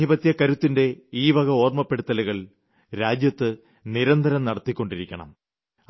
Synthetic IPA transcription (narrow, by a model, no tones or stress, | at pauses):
ibɐt̪jɐkɐɾut̪ːinde̞iːbɐɣɐo̞ːrmɐpːe̞ɽut̪ːɐlɐɣɐɭ | ɾaːd͡ʑjɐt̪ːɨ | niɾɐnd̪ʱɐɾɐmnɐɽɐt̪ːikʲːo̞ɳɖiɾikʲːɐɳɐ̰m